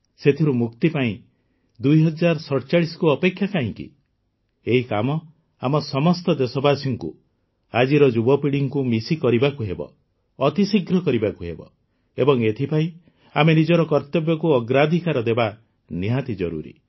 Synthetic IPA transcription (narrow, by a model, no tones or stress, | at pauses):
set̪ʰiɾumukt̪ipaĩ | d̪ujɦɔd͡ʒaɾɔsɔɽt͡ʃaɽisɔ̥kuɔpekʰjakaɦĩŋkḭ | eɦikamɔ | amɔsɔmɔst̪ɔd̪esɔbasɔŋkṵ | ad͡ʒiɾɔd͡ʒubɔpiɽiŋkumisikɔɾibakuɦebɔ̰ː | t̪isiɡɾɔkɔɾibakuɦḛbɔ̰ | ebɔŋet̪ʰipaĩ | amenid͡ʒɔɾɔkɔɾt̪ɔbjɔkuɔɡɾad̪ʱikaɾɔd̪eba | niɦat̪id͡ʒɔ̰ɾṵɾḭ